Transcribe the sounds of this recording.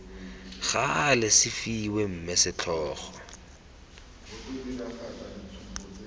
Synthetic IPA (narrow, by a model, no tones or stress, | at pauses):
ɣalɪsɪfiwem̩mɛsɪt͡ɬʰɔːχɔ